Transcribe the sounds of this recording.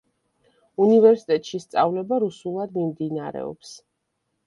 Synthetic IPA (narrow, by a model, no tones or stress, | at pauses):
univɛɾsit̪ʼɛt̪ʼʃist̪sʼavlɛbaɾusulˠad̪mimd̪inaɾɛ̰ɔ̰ps